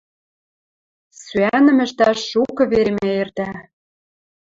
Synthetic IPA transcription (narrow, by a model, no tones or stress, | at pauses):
syænɘ̆mɘ̆ʃt̪æʃːukɤ̆βeɾemeert̪æ